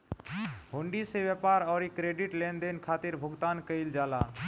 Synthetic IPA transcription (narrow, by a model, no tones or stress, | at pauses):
ɦoɳɖiseʋjəpaɾɔːɾikɾeːɖiʈlend̪enkʰaːt̪ɪɾbʱʊɡt̪aːnkəɪld͡ʒaːlaː